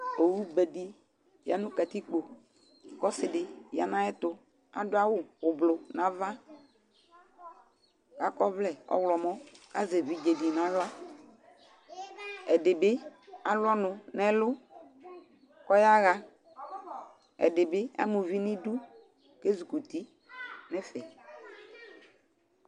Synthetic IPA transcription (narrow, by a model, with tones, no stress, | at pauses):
o˨wu˦bɛ˨di˦ | ja˨nʊ̃˦ka˨t̪i˦k͡po˨ | kɔ˦sɪ˨dɪ˨ja̰˨nã˦ɛ˦t̪ʊ˨ | a̰˨dʊ˦a˦wʊ˦ʊ˨blʊ˨nã˨va˦ | ka˦kɔ˦vlɛ˨ɔ̰˦wlɔ˨mɔ˦ka˦ze˨vi˦d͡ʒe˨di˨nã˨˦la˦ | ɛ˨dɪ˨bɪ˦a˨lʊ˦ɔ˦nʊ˨nɛ˦lʊ˦ | kɔ˦ja˦ɣa˨ | ɛ̰˨dɪ˨bɪ˦a̰˦mu˨vi˦nɪ˦du˦ | ke˦zu˨ku˨t̪i˦ | nɛ˦fɛ˨